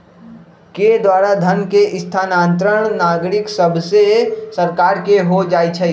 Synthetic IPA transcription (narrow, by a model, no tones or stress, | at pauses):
ked̪waːɾad̪ʱənkeʔɪst̪ʰaːnãːnt̪ɾəɳ̃naːɡɾɪksəbʱsesəɾkaːɾkeɦod͡ʒaːjt͡ʃʰɛ